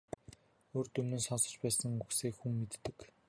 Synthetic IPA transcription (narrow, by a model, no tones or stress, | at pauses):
oːrt̪ɵmnɵ̆nsɔnsɞ̆t͡ɕpæːsə̆ŋuxseːkxumːet̪ːɘ̆k